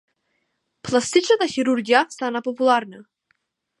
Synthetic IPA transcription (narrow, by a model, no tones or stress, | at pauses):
plˠast̪it͡ʃnat̪axiɾuɾɡijast̪anapɔpulˠaɾna